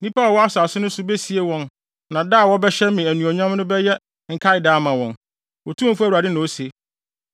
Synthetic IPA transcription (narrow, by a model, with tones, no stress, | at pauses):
nĩ˦pa˦ɔ˨wɔ˦a˦sʊ˨a˨sʊ˦nʊ̃˦sʊ˦be˦si˨e˦wɔ̃˨n | nã˨da˦˨wɔ˦bɛ˦ɕɛ˦mmɪ̃˨æ˨nũ˨ɔ˨ɲ˦ã˦m˦nʊ̃˦bɛ˦jɛ˦ | ŋ̩˨kʰa˦ɪ˨daː˦mã˨wɔ̃˨n | wɔ˨tʰũ˦˨fu˦æ˨u˨ɾa˨dɪ˦nã˨o˦se˨